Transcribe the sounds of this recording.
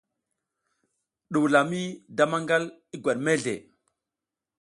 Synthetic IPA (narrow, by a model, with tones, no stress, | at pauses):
ɗu˨la˨mi˦da˦ma˦ŋɡa˦li˦ɡʷa˨ɗme˦ɮḛ˨